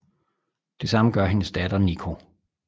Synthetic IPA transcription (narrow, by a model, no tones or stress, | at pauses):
d̥e̝sɑ̈məɡ̥ɶɐ̰ɦe̝nəsd̥ɛd̥ɐnikʰo̝